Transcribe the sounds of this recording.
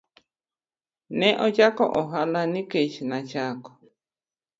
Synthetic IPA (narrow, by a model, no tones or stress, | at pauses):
nɛ̃ʔot͡ʃako̰ʔoɦalanĩket͡ʃinãt͡ʃako̥